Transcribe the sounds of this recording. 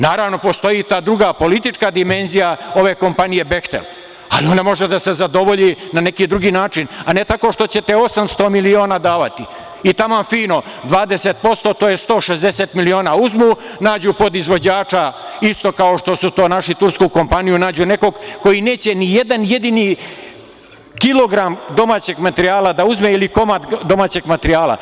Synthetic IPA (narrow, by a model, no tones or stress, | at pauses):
naːɾaːʋno̞po̞st̪o̞jit̪aːd̪ɾuɡapo̞lit̪it͡ʂkad̪ime̞nzijao̞ʋe̞ːko̞mpanije̞be̞xt̪ḛl | a̰lionemo̞ʒed̪ase̞zad̪o̞ʋo̞ʎinane̞kiːd̪ɾuɡiːnaːt͡ʃinane̞t̪ako̞ːʃt̪o̞t͡ɕe̞t̪eo̞samst̪o̞ːmilio̞ːnaːd̪aːʋat̪i | it̪amafiːno̞ | d̪ʋaːd̪eset̪̚po̞st̪o̞t̪ojest̪o̞ːʃezd̪eseːt̪milio̞ːnaːuzmunaːd͡ʑupo̞d̪izʋo̞d͡ʑaːt͡ʂaist̪o̞kao̞ʃt̪o̞sut̪o̞ːnaʃit̪uɾskuko̞mpanijunaːd͡ʑune̞ko̞ɡko̞jine̞ːt͡ɕe̞nije̞d̪anje̞d̪iniː | kilˠoɡɾamd̪o̞maːt͡ɕe̞ɡmat̪eɾiaːlad̪auzmeiliko̞mat̪d̪o̞maːt͡ɕe̞ɡmat̪eɾijaːlˠa̰